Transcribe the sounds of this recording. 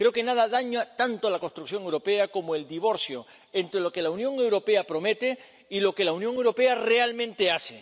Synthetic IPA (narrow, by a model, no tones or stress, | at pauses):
kɾe̞okenað̞aðaɲat̪ant̪olakost̪ɾukθjo̞ŋewɾo̞peako̞moe̞ld̪iβ̞o̞ɾθjo | ent̪ɾelo̞ke̞launjõ̞ŋe̞wɾo̞pe̞apɾo̞me̞t̪e̞ | ilo̞ke̞launjoŋewɾo̞pe̞arealmẽnt̪e̞ase